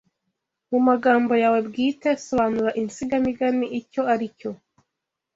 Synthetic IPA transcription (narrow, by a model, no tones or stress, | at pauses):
mumaɡaːmbo̞jaːwe̞bɡiːte̞so̞βaːnuɾaʔinsiɡamiɡaniʔico̞aɾico̞